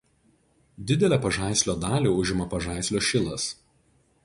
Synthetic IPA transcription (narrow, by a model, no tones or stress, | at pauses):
d̪ʲɪd̪ʲɛlʲæːpɐʒɑˑɪsʲlʲoːd̪ɑːlʲiːʊʒʲɪmɐpɐʒɑˑɪsʲlʲoːʃʲɪlˠɐs